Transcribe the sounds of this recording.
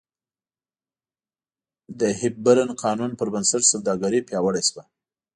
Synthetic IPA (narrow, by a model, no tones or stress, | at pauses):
d̪əhɪb̚baɾanqʰɑnunpəɾbansaʈsawd̪ɑɡaɾipjɑwəɽajswa